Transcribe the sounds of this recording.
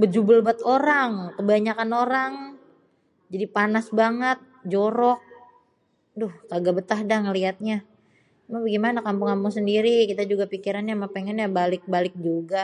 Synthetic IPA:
bəd͡ʒubəlbat̪oɾaŋkəbaɲakanoɾaŋ | d͡ʒadipanasbaŋət̪̚d͡ʒoɾɔk̚ | dʊhkaɡabət̪aɦdaŋəliat̪̚ɲa | mabəɡimanakampʊŋampʊŋsəndiɾikit̪ad͡ʒuɡapikiɾanjamapeŋɛnjabalɪk̚balɪk̚d͡ʒuɡa

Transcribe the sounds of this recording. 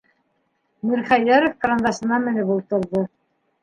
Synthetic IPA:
mɘɾχæjæɾŏfkrand̪ɑsɤ̆nɑmɘ̆nɘpulˠt̪ɤ̆ɾðɤ

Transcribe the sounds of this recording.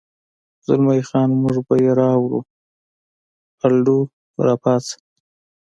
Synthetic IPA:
zʊlmajxɑnmʊʐbajeɾɑwɾṵ | alɖu | ɾɑpɑt͡s

